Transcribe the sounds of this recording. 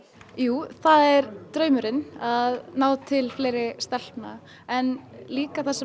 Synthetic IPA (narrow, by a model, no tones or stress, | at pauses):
juːθaðɛɾt̪ɾœːɥmʏɾɪnaðnaːwt̪ʰɪlfleːjɾɪst̪ɛl̥pna̰ | ɛnliːkaθasːɛ